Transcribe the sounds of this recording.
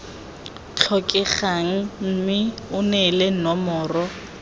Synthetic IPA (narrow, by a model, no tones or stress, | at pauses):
t͡ɬʰɔkʼɛχaŋ̩m̩ːmɪʊnɛlenɔmɔːrɔ